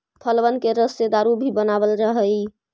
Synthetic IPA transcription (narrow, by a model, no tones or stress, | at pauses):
pʰəlʋənkeɾəsed̪aɾubʱibənabəlɾəɦəj